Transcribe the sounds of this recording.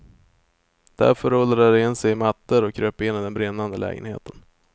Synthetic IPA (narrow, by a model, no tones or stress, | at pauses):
d̪̥æ̰ɾfœɾɔld̪ɾaɖɛɪnːsɛjmat̪ːəɾɔkʰːɾøːpɪnːɪd̪ɛnbɾɪnːand̪əlʔɛ̰ːɡə̰nhḛːt̪ʰən